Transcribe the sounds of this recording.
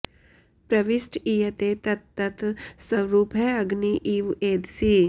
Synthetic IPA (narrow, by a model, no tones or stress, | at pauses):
pɾɐʋɪsʈiːjɐt̪et̪ɐt̪ːɐt̪sɐɾuːpɦɛːɐɡniʔiːʋeːd̪siː